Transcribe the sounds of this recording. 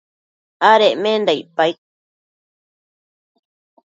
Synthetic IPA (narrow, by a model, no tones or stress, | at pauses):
aɾeʔmẽnd̪ajpajk̪̚